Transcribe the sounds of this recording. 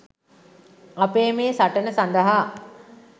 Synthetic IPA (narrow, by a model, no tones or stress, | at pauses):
apeːmeːsaʈənəsand̪əɦa